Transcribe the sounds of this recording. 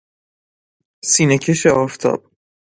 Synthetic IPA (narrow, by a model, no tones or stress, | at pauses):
siːnecʰeʃeɒːft̪ʰɒ̰ːb̥̚